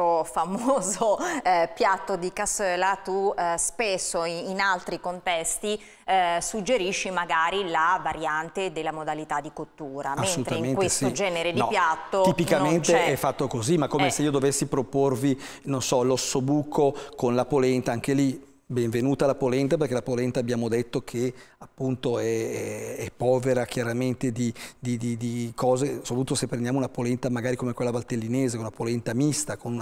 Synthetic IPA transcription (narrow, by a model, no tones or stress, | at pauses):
ofamoːzopjat̪ːod̪ikasøːlat̪uspesːoːnalt̪ɾikont̪ɛst̪i | sud͡ʒːeɾiʃːimaɡaːɾilavaɾjant̪ed̪elːamod̪alit̪ad̪ikot̪ːuːɾamaesːolut̪ɾt̪aŋamẽnkw̪essod͡ʒɛːneɾedniɔpjat̪ːoipikanmentt͡ʃ̪eɛfːat̪ːokozimakːomeseiːod̪ovesːipɾoporvi | nonsɔlosːobuːkʰokonlapolɛnt̪aaŋkeli | bɛɱvenuːt̪alapolɛnt̪aperkelapolɛnt̪abjaːmod̪et̪ːokʰeapːunt̪oɛɛɛpːɔːveɾakjaɾament̪ed̪id̪id̪id̪ikʰɔːzesopɾt̪ut̪osepːɾend̪jaːmounapolɛnt̪amaɡaːɾikomekwelːabalt̪elːineːzekonunapolɛnt̪amist̪akonun